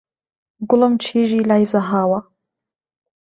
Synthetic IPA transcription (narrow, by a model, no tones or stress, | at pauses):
ɡʊlɐmt͡ʃʰiːʒiːlajzaɦaːwa